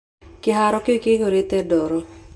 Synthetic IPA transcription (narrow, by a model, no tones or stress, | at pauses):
kɪɦaɾɔkɪkɪkoɾit̪ɛdoɾo